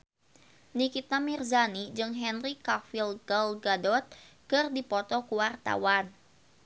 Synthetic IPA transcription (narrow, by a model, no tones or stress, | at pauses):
nikit̪amirzanid͡ʒɨŋɦɛnrikafilɡalɡadɔt̪̚kɨrdipɔt̪ɔkuwart̪a̰wan